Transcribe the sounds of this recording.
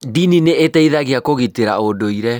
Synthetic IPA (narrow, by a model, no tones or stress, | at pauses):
dinineetɛiðaɣeakoɣiteɾaodoiɾɛ